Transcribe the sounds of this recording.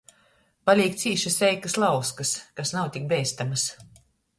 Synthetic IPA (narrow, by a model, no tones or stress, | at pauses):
palʲiɛk̚t̪siːʃɨsɛjkɨslˠɑwskɐskasnawt̪ʲik̚bʲɛjst̪amas